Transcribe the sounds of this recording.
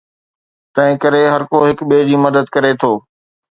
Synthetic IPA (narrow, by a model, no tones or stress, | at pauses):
t̪ɐ̃ɦɪ̃kɐɾeɦɐɾkoɦɪkɓeːd͡ʑiːmɐd̪əd̪kɐɾet̪ʰoː